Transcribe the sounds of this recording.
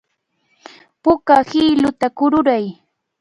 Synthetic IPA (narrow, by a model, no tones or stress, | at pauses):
pʊkahɪɪlʊt̪akʊɾʊɾaj